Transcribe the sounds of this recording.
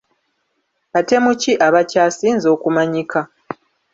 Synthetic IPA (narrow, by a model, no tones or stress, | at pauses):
βate̞muciʔaβacaːsiːnzo̞ːkumaɲika